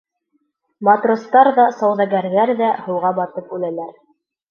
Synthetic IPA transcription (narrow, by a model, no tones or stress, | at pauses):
mɑt̪rŏst̪ɑɾðɑsɑwðɑɡæɾðæɾðæhɤ̆wʁɑbɑt̪ɤpʉlænæɾ